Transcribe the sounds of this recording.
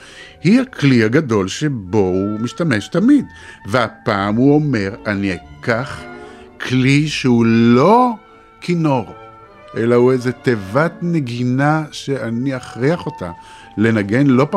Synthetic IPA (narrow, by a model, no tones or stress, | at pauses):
hihaklihaɡado̞lʃebo̞umiʃtame̞ʃtamidveapaːmuo̞me̞ʁaniakaχ | kʰliʃeulo̞ | kino̞ʁ | ʔe̞lahuezetevatne̞ɡinaʃeaniaχʁiaχo̞ta̰ | le̞naɡe̞nlo̞p